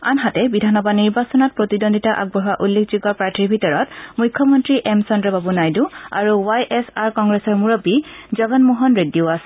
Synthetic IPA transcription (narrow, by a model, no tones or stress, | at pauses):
anɦatɛbidʱanɔbaniɹbasɔnɔt̚pɹotidondʱitaʔa̰ɡ̚bɔɦwaʔulːekʰziɡɔɹpɹatʰiɹbʱitɔɹɔtmujkʰːjɔmɔntɹiʔɛmsɔndɹɔbabunajdua̰ɹuwajʔɛsaɹkɔŋɡɹɛsɔɹmuɹɔpizɔɡɔnmuɦɔnɹedioasɛ